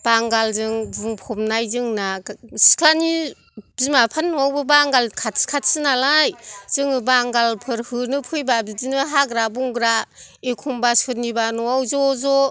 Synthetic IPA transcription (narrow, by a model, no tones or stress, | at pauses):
b̥aŋɡalzɯŋzuŋpʰɔmnajzɯŋnasi̥kʰlani | bzimapʰanːɔawbɯbaŋɡalkʰatskʰat̚sɯnalajz̥ɯŋɯbaŋɡalpʰɯɾhɯnɯpʰɯjbabidinɯɦaɡɾabuŋɡɾaekʰumbasɯt̚nibanɔawzɔzɔ